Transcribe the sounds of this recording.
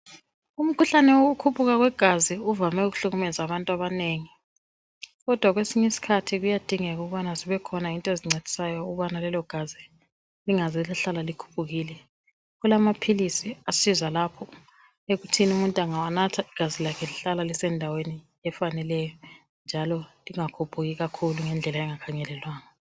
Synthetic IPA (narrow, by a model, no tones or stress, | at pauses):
um̩kʰuɬanɛwoukʰupʰuɣaɣwɛɡ̥ʱaziuvamɛuɣuɬuɣumɛzaβantʼaβaneːŋi | ɣɔd̥ʱwaɣwesiɲɛesi̥kʰatʰiɣujad̥ʱiŋɛɣuɣuβanaziβɛkʰɔnaintʼɔeziŋ͡ǀed̥ʱi̥sajɔuɣuβanalɛlɔɡ̥ʱazi | liŋazɛlaɬalalikʰu̥pʰuɣiːlɛ | ɣulamapʰilisiasizalapʰɔ | eɣutʰinumuntʼaŋawanatʰaiɡ̥ʱazilakʰɛliɬalalisɛndʱaweni | ɛfanɛlɛjɔ | nd͡ʒʱalɔliŋakʰupʰuɣiɣakʰuluŋɛnd͡ɮʱɛlaɛŋakʰaŋɛlɛlwaːŋa